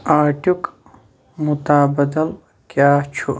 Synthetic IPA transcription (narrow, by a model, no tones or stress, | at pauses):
aːʈuk | mut̪aːbɐd̪ɐl | kjaːt͡ʃʰu